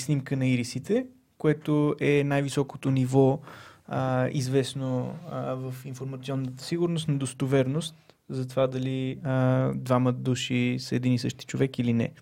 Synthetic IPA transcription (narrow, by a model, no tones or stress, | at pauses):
snimkənɐiɾisit̪ɛ | koɛt̪oʔɛnajvisɔko̥t̪onivɔ | ḭzvɛsnovəfinfoɾmɐt̪siɔnːət̪ə̥siɡʊɾnost̪nɐd̪ost̪ovɛɾnost̪ | zɐt̪ovad̪ɐliəd̪vaməd̪uʃisɛd̪inisɤʃt̪i̥t͡ʃovɛkilinɛ̰